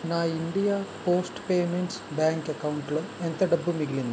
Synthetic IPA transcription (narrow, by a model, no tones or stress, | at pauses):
naːinɖijapo̞ːsʈɨ̥pe̞ːmenʈsbaːŋkɐkːɐwuɳʈɐɭument̪ɐɖɐbːumiɡilinːu